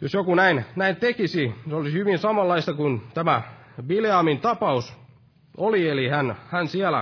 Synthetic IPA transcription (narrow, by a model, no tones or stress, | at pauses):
josjokunæinnæint̪ekisisolisihyʋinsɑmɑlːɑist̪ɑkunt̪æmæʋileɑmint̪ɑpɑus | olielihænhænsiælæ̰